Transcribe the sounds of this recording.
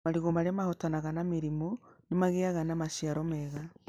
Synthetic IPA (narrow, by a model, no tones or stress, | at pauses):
maɾiɣomaɾemahotanaɣanamiɾimonemaɣeaɣanamaʃiaɾomɛɣa